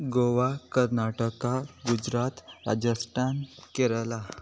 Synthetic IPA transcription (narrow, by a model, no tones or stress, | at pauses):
ɡoʋakəɾnaʈəkaɡud͡ʑɾat̪ɾa̰d͡ʑəsʈankeɾla